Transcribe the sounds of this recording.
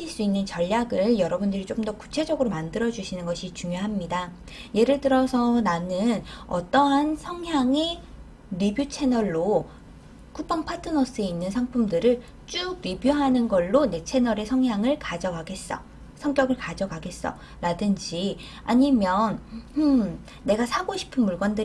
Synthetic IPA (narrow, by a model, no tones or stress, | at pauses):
iɭs͈uinːɯnt͡ɕʌʎːaɡɯɭjʌɾʌbundɯɾit͡ɕ͈omdʌku̥t͡ɕʰe̞d͡ʑʌɡɯɾomandɯɾʌd͡ʑuɕʰinɯnɡʌɕʰit͡ɕuŋjoɦamɲida | je̞ɾɯɭtɯɾʌsʰʌnanɯnʌt͈ʌɦansʰʌŋɦjaŋe̞ | ɾibjut͡ɕʰe̞nʌɭːo | kʰup͈ʰʌŋpʰatʰɯnʌs͈ɯe̞inːɯnsʰaŋpʰumdɯɾɯɭ | t͡ɕ͈uɡ̚ɾibjuɦanɯnɡʌɭːone̞t͡ɕʰe̞nʌɾe̞sʰʌŋjaŋɯɭkad͡ʑʌkaɡe̞s͈ʌ̰ | sʰʌŋk͈jʌɡɯɭkad͡ʑʌɡaɡe̞s͈ʌ̰ | ɾadɯnd͡ʑi | aɲimjʌnɯː | e̞ɡasʰaɡoɕʰi̥pʰɯnmuɭɡwʌndɯ